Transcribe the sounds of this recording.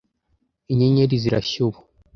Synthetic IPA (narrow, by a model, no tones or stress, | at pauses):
iɲeɲeɾiziɾa̰ɕuβu̥